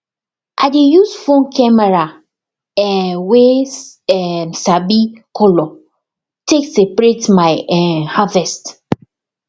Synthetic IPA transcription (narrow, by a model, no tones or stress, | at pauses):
ʔadejusfõnkʰɛmɛɹa | ɛweɛmsabikʰolɔ | teksepɹetmajɛhavɛst